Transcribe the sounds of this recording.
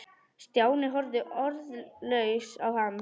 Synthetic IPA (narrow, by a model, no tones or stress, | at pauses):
st̪jaːwnɪɦɔɾðʏʔɔɾðlœɥsawham